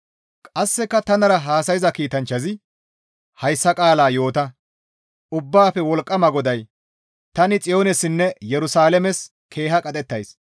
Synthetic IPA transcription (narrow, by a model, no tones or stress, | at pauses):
kʼɐsːɛkːɐt̪ɐnɐɾɐɦaːsɐjɪzɐkiːt̪ɐnt͡ʃːɐzɪ | hɐjsːɐkʼaːlaːjo̞ːt̪ɐ | ʊbːaːfɛwɔlkʼːɐmɐɡɔd̪ɐj | t̪ɐnɪt͡sʼɪjo̞ːnɛsɪnːɛjɛɾʊsaːlɛmɛs | kʰe̞ːɦɐkʼɐt̪ʼɛt̪ːɐjs